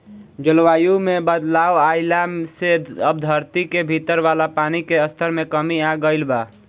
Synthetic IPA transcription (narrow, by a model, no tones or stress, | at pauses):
d͡ʒəlʋaːjumebəd̪laːowaɪlaseəbd̪ʱəɾt̪ikebʱit̪əɾʋalapanikeəst̪ʰəɾmekəmiaɡəɪlba